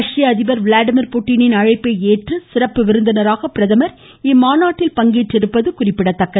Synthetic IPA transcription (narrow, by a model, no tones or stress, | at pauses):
ɐʂɪjɐɐðɪbɐɾʋlaːɖɪmɪɾpuːʈːɪnɪnɐɻɐɪpːɐɪeːʈrɯsɪrɐpːɯʋɪɾɯnd̪ɐnɐɾaːɣɐpɪɾɐðɐmɐɾ | ɪmaːnaːʈːɪlpɐŋɡiːʈrɪɾɯpːɐðɯkʊrɪpːɪɽɐt̪ːɐkːɐ